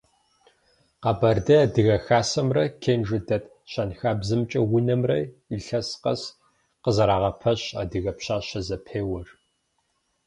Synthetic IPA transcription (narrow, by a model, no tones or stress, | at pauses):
qɑbɐrdɐdɨɣɐxaːsɐmrɐkʰeːnʒɨdɐtʼ | ɕɐnxaːbzɨmt͡ʃʼɐwʊnɐmrɐ̰iɬɐsqɐ̰s | qəzɐɾaːʁɐpʰɐɕa̰ːdɨɣɐpɕaːɕɐzɐpʰeːwɐr